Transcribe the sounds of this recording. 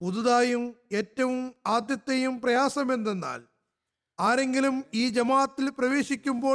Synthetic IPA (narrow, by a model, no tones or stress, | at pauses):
puðuðaːjume̞ːtːɐʋumaːd̪jɐt̪ːɐjumprɐjaːsɐme̞nd̪enːa̰ːl | aːɾe̞ŋɡilumiːd͡ʑɐmaːɐt̪ːilprɐʋe̞ːɕikʲːumbo̞ː